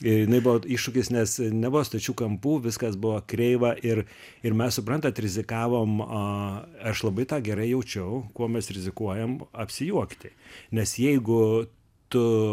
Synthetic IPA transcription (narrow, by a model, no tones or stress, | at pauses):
ɪjɪnɐɪbʊʋoiːʃʃʊkʲɪsnʲɛsnʲɛbʊʋoːst̪ɐt͡ʃʲuːkɐmpuːʋʲɪskɐsbʊʋɐːkɾʲɛɪʋɐʔɪr | ɪɾmʲɛssʊpɾɐnt̪ɐt̪ɾʲɪzʲɪkɑːʋoːmɐɐʃlˠɐbɐɪt̪ɑːɡʲɛɾɐɪjɛʊt͡ʃʲɛʊkuɔmʲɛsɾʲɪzʲɪkuɔjɛmɐpʲsʲɪjuɔkt̪ʲɪnʲɛsjɛɪɡʊ | t̪ʊ